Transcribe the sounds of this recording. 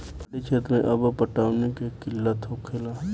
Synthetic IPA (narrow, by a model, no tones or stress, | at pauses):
pɐɽit͡ʃʰeːt̪mẽʔɐbəpəʈaːʊnekekɪlːət̪ɦokʰeːla